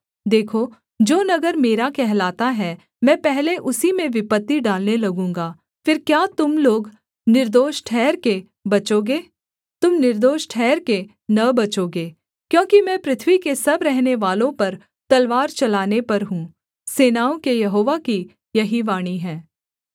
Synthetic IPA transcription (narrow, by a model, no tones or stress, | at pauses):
d̪eːkʰoː | d͡ʒoːnɐɡəɾmeːɾakɛɦlaːt̪aɦɛ | mɛ̃ːpɛɦleʔʊsimẽʋɪpət̪ːiɖaːlnelɐɡũːŋɡaː | fɪɾkjaːt̪ʊmloːɡ | nɪɾd̪oːʃʈʰɛːɾke | bɐt͡ʃoːɡeː | t̪ʊmnɪɾd̪oːʃʈʰɛːɾke | nɐbɐt͡ʃoːɡeː | kjõːkimɛ̃ːpɾɪt̪ʰʋikesɐbɾɛɦneʋaːlõpɐɾ | t̪ɐlʋaːɾt͡ʃɐlaːnepɐɾɦũː | seːnaːõkejɐɦoːʋaki | jɐɦiʋaːɽ̃iɦɛ̃ː